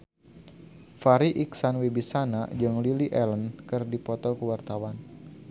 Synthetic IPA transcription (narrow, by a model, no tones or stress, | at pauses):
faɾiʔiksanwebisanad͡ʒɨŋliliʔɛlənkɨrdipɔt̪ɔkəwart̪awan